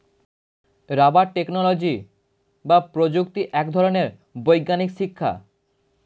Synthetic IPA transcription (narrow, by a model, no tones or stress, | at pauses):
ɾabaʈeknolod͡ʑi | bapɾod͡ʑukt̪iʔɛkd̪ʱɔɾoneɾ | bojɡːanikʃikʰːa̰